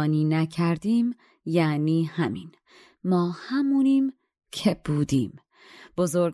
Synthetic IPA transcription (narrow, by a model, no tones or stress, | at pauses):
niːnæcʰæɾd̪iːm | jæniːhæmin | mɒːhæmuːniːm | cʰe̞b̥uːd̪iːm | b̥ozoɾɡ